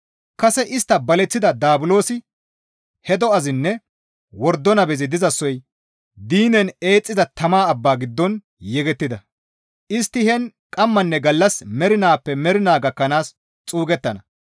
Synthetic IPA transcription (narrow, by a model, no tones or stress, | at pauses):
kɐsɛʔɪst̪ːɐbɐlɛt͡sːɪd̪ɐd̪aːbʊlo̞ːsɪ | hɛd̪ɔɐzɪnːɛ | wɔɾd̪ːɔnɐbɛzɪd̪ɪzɐsːɔj | d̪iːnɛne̞ːt͡sʼːɪzɐt̪ɐmaːɐbːaːɡɪd̪ːɔn | jɛɡɛt̪ːɪd̪ɐ | ʔɪst̪ːɪhɛn | kʼɐmːɐnːɛɡɐlːɐsmɛɾɪnaːpːɛmɛɾɪnaːɡɐkːɐnaːs | t͡sʼuːɡɛt̪ːɐnɐ